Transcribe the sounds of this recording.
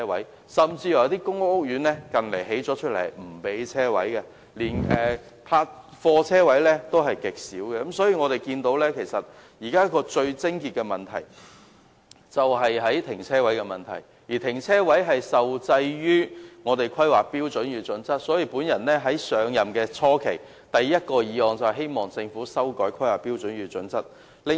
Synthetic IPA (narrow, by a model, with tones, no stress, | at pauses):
ɛ˥wɐ˨˥j | sɐ˨mt͡siː˧jɐ˨˩˨t̪i˥kʊ˥ŋʊ˥k̚ːʊ˥k̚jyː˨˥nlɛː˥kɐ˨nle˨˩jɦe˨˥jt͡sɔː˨˥t͡ʃʰɵ˥t̚lɐ˨˩jm̩˨˩pe˨˥jt͡sʰɛː˥wɐ̰˨˥jkɛ˧ | liː˨˩nɛː˨ | pʰaː˧t̚ | fɔː˧t͡sʰɛː˥wɐ˨˥jlɛ˥t̪o˥wɦɐ˨jkɪ˨k̚siː˨˥wkɛ˧kɐ˨˥msɔː˨˥jiː˧ŋɔː˨˧ɾe˨jkiː˧nt̪o˨˥wlɛː˥kʰe˨˩jsɐ˨t̚ | jiː˨˩kaː˥kɔː˧t͡ʃɵ˧ɥt͡sɪ˥ŋkiː˧t̚kɛ˧mɐ˨nt̪ʰɐ̰˨˩j | t͡sɐ˨wɦɐ˨jɦɐ˨˥jt̪ʰɪ˨˩ŋt͡sʰɛː˥wɐ˨˥jkɛ˧mɐ˨nt̪ʰɐ˨˩j | jiː˨˩t̪ʰɪ˨˩ŋt͡sʰɛː˥wɐ˨˥jɦɐ˨jsɐ˨wt͡sɐ˧jɥyː˥ŋɔː˨˧t̪e˨˩jkʰɐ˥jwaː˨˩k̚piː˥wt͡sɵ˨˥nɥyː˨˧t͡sɵ˨˥nt͡sɐ˥t̚sɔː˨˥jiː˧puː˨˥njɐ˨˩nlɛː˥ɦɐ˨˥jsœː˨˧ŋjɐ˨mkɛː˧t͡sʰɔː˥kʰe˨˩j | t̪ɐ˨jːɐ˥t̚kɔː˧jiː˨˧hɔː˨ŋt͡sɐ˨whɐ˨ɦe˥jmɔː˨ŋt͡sɪ˧ŋfuː˨˥sɐ˥wkɔː˨˥jkʰɐ˥jwaː˨˩kpiː˥wt͡sɵ˨˥nɥyː˨˧t͡sɵ˨˥nt͡sɐ˥t̚ | lɪ˨˧